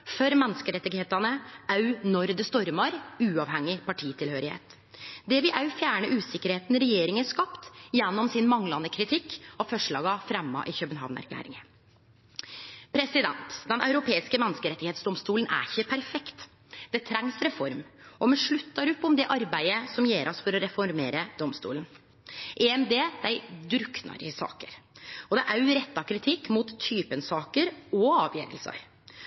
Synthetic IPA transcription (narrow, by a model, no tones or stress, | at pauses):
fœɾmɛnːəskəɾɛt̪ːɪɡheːt̪ɑnəɑʉnɔɾd̪əst̪ɔɾmɑɾʉːɑʋhɛŋːɪpʰɑʈʰiːt̪ʰɪlhøːɾɪhḛːt̪ | d̪ɛʋɪʔɑʉfjæːɳəʔʉːsɪkːəɾheːt̪nɾɛjeːɾɪŋənʂkɑpt̪jɛnːɔmsɪnmɑŋlɑnəkʰɾɪt̪ʰɪkːɔfœʂɭɑ̰ːɡɑfɾɛmːɑ̰ʔɪçœbənɦɑ̰ːʋnæ̰ɾkʰlæ̰ːɾɪ̰ŋə | pʰɾɛsɪd̪ɛnt̪d̪ɛnɑʉɾʊpʰeːɪskəmɛnːəskəɾɛt̪ːɪheːt̪sd̪ɔmst̪uːlənʔæ̰ɾɪçəpʰæɾfɛkt̪ | d̪ɛt̪ʰɾɛŋsɾɛfɔɾmʔɔmɛʂɭʉt̪ːɑɾɔpːɔmd̪ɛʔɑɾbæɪəsɔmjeːɾʔɔsfɔɾɔɾɛfɔɾmeːɾəd̪ɔmst̪ṵːln | ʔɛɛmd̪eːd̪æɪd̪ɾʉknɑ̰ɾɪsɑ̰ːkəɾɔd̪ɛʔæɾɛt̪ːɑkʰɾɪt̪ʰɪkːmut̪ʰːyːpənsɑːkəɾɔɑːʋjeːɾə̰lsɑ̰ɾ